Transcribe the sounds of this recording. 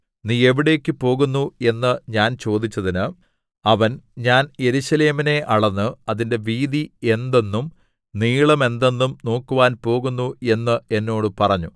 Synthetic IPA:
niːe̞ʋiɽe̞ːkːɨpo̞ːɣunːue̞nːɨɲaːnt͡ɕo̞ːd̪it͡ɕːɐðinɨ | ɐʋɐnɲaːne̞ɾuɕɐle̞ːmine̞ʔɐɭɐnːɨɐðinde̞ʋiːd̪ie̞nd̪e̞nːum | niːɭɐme̞nd̪e̞nːumno̞ːkːuʋaːnpo̞ːɣunːue̞nːɨe̞nːo̞ːɽɨpɐrɐɲːu

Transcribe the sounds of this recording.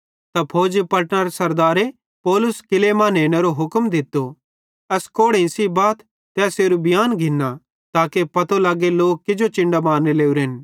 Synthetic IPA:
t̪apʰoːd͡ʒepɐʈnaɾesɐɾd̪aːɾe | pɔːlʊskɪlemãːneːɽ̃eɾoɦʊkmd̪ɪt̪ːo | ɐskoːɽẽsibaːt̪ː | ɛːseːɾubɪjaːnɡʱɪnːa | t̪aːkepɐt̪olaːɡeloːkkɪd͡ʒot͡ʃɪ̃ɳɖamaːnːeleːuɾɦɪn

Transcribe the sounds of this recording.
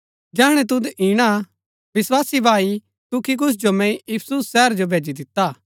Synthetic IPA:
d͡ʒɛːɽ̃ɛ̃t̪̬ʊd̪iːɽ̃a | ʋɪswaːsibʱaːi | t̪ʊkik̬ʊsʰd͡ʒomɛ̃jiːpʰsusːɛːəɾd͡ʒobʱeːd͡ʒid̪ɪt̪ːaː

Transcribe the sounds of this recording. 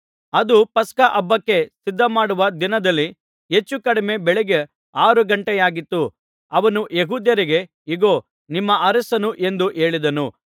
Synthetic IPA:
ɐd̪upɐskɐʔɐbːɐkːe̞sid̪ʱːɐmaːɽuʋɐd̪inɐd̪ɐlːi | et͡ʃːukɐɽime̞bɛɭɛɡe | aːɾuɡɐɳʈɛjaːɡit̪ːu | ɐʋɐnuʔjeɦuːd̪jɐɾiɡe̞ | iɡo̞ː | nimːɐʔɐɾɐsɐnuʔe̞nd̪uʔe̞ːɭid̪ɐnu

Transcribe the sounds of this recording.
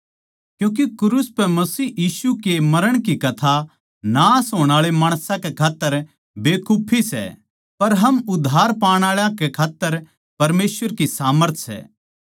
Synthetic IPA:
kjũːk̬ekʊɾuspɛmɐsiːjiːsukemɐɾəɽ̃kikɐt̪ʰa | naːsɦoːɽ̃aːɭemaːɽ̃sãkekʰaːt̪ːəɾ | beːkʰuːpʰisɛ̰ | pɐɾɦɐmʊd̪ʱːaːɾpaːɽ̃aːɭjãkekʰaːt̪ːəɾ | pɐɾmeːsʋəɾkisaːməɾt̪ʰsɛ̰ː

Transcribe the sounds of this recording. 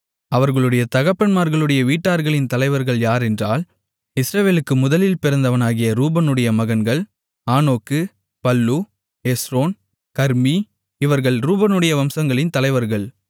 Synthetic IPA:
ɐʋɐɾɣɐɭɯɽɐjɐt̪ɐɣɐpːɐnmaːɾɣɐɭɯɽɐjɐʋiːʈːaːɾɣɐɭɪnt̪ɐlɐɪʋɐɾɣɐɭjaːɾɛndraːl | ɪsɾɐʋeːlɯkːɯmʊðɐlɪlpɪɾɐnd̪ɐʋɐnaːɣɪjɐɾuːbɐnɯɽɐjɐmɐɣɐnɡɐɭ | aːnoːkːɯ | pɐlːu | esɾoːn | kɐɾmi | ɪʋɐɾɣɐɭɾuːbɐnɯɽɐjɐʋɐmsɐŋɡɐɭɪnt̪ɐlɐɪʋɐɾɣɐɭ

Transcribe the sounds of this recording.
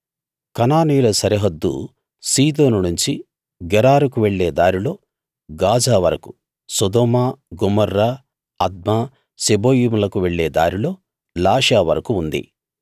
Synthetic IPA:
kɐnaːnijulɐsɐɾɐɦɐd̪ːṵ | siːd̪o̞ːnunuɲt͡ʃi | ɡɛɾaːɾukuʋeɭːeːd̪aːɾilo̞ː | ɡaːd͡ʒaːʋɐɾɐku̥ | sɔd̪oːmaːɡumɐɾːa | ɐd̪̚maː | seboːjiːmulɐkuʋeɭːeːd̪a̰ːɾilo̞ː | laːʂaːʋɐ̰ɾɐkuːnd̪ḭ

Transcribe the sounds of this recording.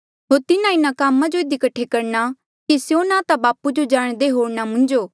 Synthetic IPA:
ɦoːɾt̪ɪnãɪnãkaːmãd͡ʒoɪd̪ikɐʈʰːekɐɾna | kisjonãːt̪abaːpud͡ʒod͡ʒaːɽ̃d̪eɦoːɽnamʊ̃nd͡ʒoː

